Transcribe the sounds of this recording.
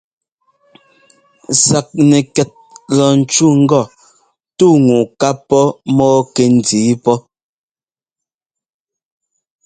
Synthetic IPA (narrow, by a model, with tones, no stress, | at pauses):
sa˨k̚nɛ˨kɛ˨t̚lɔ˨n̩˨t͡ʃu˦ŋ̩˦ɡɔ˦˨ | tu˦˨ŋu˨ka˦pːɔ˦mɔː˦kɛ˨n̩˨diː˨˦pɔ˦